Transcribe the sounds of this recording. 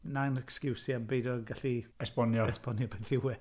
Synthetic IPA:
nanɛkskɪwsjabejdɔɡaɬiɛspɔnjɔɛspɔnjɔbɛθɪwɛ

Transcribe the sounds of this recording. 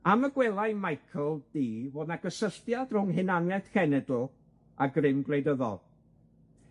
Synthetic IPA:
aməɡwɛlˠajmajkʰl̩ˠd̥iːvodnaɡəsəɬtjad̥rʊŋɦɨnanwɛθkʰɛnɛdl̩ˠ | aɡrɪmɡlˠejdəðɔ̰lˠ

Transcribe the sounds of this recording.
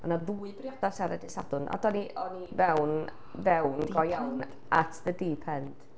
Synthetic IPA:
ɔnaðuːɨbrjɔd̥asaɾɛdɪsa̰dʊnʔa̰dɔniɔnivɛwn | vɛwndɡɔjawn | ʔatʰðədiːpʰɛnd̥

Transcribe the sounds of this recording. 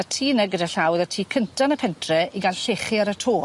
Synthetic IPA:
atʰiːnəɡədaɬawðatʰiːkʰəntʰanəpʰɛntʰrɛiɡalɬeχiaɾətʰoː

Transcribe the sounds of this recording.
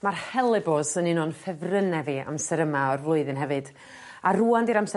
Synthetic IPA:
marhɛlˠɛbɔsəninɔnfɛvrənɛvia̰msɛɾəmaɔrvlˠʊɨðɨnɦɛvɨd̥ | aruːandiɾamsɛ

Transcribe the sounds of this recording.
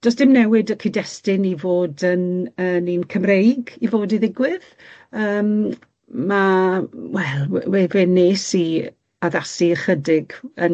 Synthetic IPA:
d̥ɔsd̥ɪmnɛwɪdəkʰidɛstɪnivoːdənəninkʰəmrejɡivoːdiðɪɡwɪð̥ | əːm | mawɛlˠwevɪnːeːsi | aðasiəχədɪɡən

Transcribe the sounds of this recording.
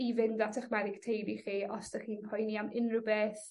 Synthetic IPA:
ivɪndatʰəχmɛðɪɡ̥tʰejbiχiːɔsd̥əχiːnpʰɔjniamɪnrubeːθ

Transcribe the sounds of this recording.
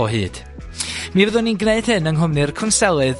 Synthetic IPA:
ɔɦɨ̰ːd̥ | mivəðʊninɡneɨd̥hɨnəŋɦʊmnɨrkʰʊnsɛlˠɨð

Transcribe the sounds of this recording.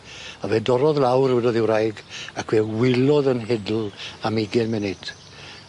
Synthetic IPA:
avɛdɔɾɔðlawrwɛdɔðɪwɾajɡakʰwɛwɪlˠɔðənɦɛdl̩ˠamiɡɛnmɛnɪd̥ʰ

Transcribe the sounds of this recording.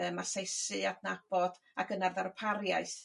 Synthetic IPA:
əmasejsɨadnab̥ɔd | aɡənarðaɾpʰarjaɨθ

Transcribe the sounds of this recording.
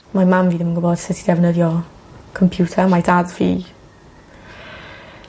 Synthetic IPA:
mamamviːðɪmənɡʊbɔd̥sɪtʰidɛvnəðjɔ | kʰɔmpʰj̥uːtʰamajdadviː

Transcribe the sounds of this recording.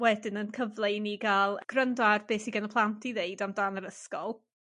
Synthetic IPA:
wɛdɪnənkʰəvlˠejniɡalˠɡ̥rəndarbeːsiɡɛnɔpʰlˠantʰiðeɨdamdaːnəɾəskɔlˠ

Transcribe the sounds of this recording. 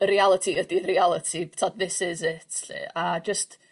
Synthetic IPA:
ɾialˠətʰiədirialˠətʰitʰadðɪsɪzɪtʰɬḭad͡ʒəst

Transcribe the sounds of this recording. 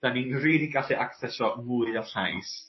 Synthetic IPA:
d̥aninriːdiɡaɬiʔakθɛsɔmuɨɔɬajs

